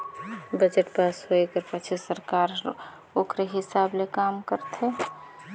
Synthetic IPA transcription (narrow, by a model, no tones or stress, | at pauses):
bəd͡ʒeʈpasɦoekəɾpət͡ʃʰisəɾkaɾ | okɾeɦɪsablekamkəɾt̪ʰe